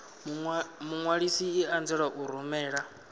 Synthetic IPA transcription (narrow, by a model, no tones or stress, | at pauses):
muŋwaɺisiːand͡zɛɺaʔuɾumɛːɺa